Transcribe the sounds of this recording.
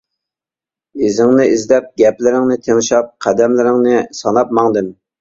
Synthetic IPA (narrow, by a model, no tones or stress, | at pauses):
izɪŋnɪizlɛp̚ɡʲɛplɪɾɪŋnɪt̪ʰeŋʃɑp̚qʰæd̪ɛmlɪɾɪŋnɪsɑnɑp̚mɑŋd̪ɨm